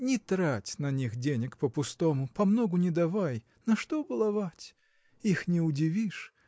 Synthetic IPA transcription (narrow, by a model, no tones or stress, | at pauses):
nʲɪt̪ɾatʲnɐnʲixdʲenʲɪkpəpʊst̪omʊpɐmnoɡʊnʲɪd̪ɐvaj | nɐʂt̪obɨlˠɐvatʲ | ixnʲɪʊdʲɪvʲiʂ